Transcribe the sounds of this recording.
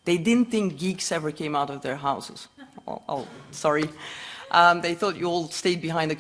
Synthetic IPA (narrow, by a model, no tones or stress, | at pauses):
ðeɪdɪdⁿn̩θɪ̃ŋk̚ɡ̥iɡsɛvə˞kʰẽɪ̃maʊɾʌvðə˞ɦaʊsɨz̥̰o̰sɑɹiʔʌ̃ðeɪθɔt͡ʃɨɔlˠsteɪd̚bɨɦãɪ̃ndɨ